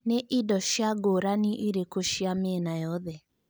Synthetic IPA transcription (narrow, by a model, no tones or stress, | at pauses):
neʔidɔʃjaɡoɾaniʔiɾekoʃjamɪɛnajɔðɛ